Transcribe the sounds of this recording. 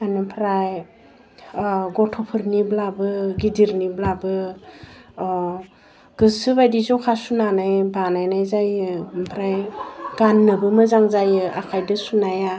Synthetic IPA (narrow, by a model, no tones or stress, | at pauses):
anɯpʰɾaj | ɡɔtʰɔpʰɯɾniblabɯɡidiɾniblabɯ | ɡ̥ɯsɯbajdizowkʰasunanajbanajnajzajɯmpʰɾajɡ̥anːɯbɯmɯzaŋzajɯa̰kʰajdɯsunaja